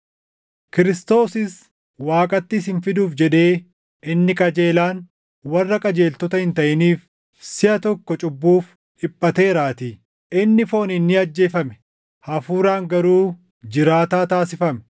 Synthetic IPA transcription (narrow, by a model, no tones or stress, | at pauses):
kɪɾɪst̪o̞ːsɪs | waːkʼɐt̪ːiːsɪnfɪd̪uːfd͡ʒɛᶑ̪e̞ː | ʔɪnːɪkʼɐd͡ʒeːlaːn | wɐrːɐkʼɐd͡ʒe̞ːlt̪ɔt̪ɐhɪnt̪ɐʔɪniːf | sɪʔɐt̪ɔkːɔt͡ʃʼʊbːuːf | ɪpʼːɐt̪e̞ːɾaːt̪i | ʔɪnːɪfo̞ːnɪnːɪɐd͡ʒːe̞ːfɐmɛ̥ | hɐfuːɾaːŋɡɐɾuː | d͡ʒɪɾaːt̪aːt̪aːsɪfɐmɛ̥